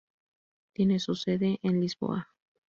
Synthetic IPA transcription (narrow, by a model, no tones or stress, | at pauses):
t̪jenesuseðeʔenlizbo̰a